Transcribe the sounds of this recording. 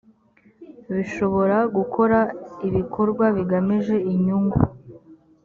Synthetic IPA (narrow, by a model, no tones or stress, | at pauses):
βiʃo̞βo̞ɾaɡukʰo̞ɾaiβikʰo̞ɾɡwaβiɡamiʒe̞iɲuŋɡṵ